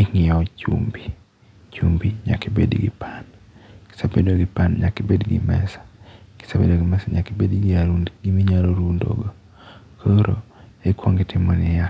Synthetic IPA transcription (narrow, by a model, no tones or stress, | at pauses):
iŋɪɔt͡ʃṵmbi | t͡ʃumbiɲa̰kebḛdɡɪ̰pʰan | ki̥sabedoɡɪpanɲakibedɡɪ̰mɛsḁki̥sabḛdoɡɪmɛsaɲakibedɡiaɾundɡimiɲaloɾundo̰ɡo | kʰoɾo̰ekwoŋɡɪtɪmɔnɪja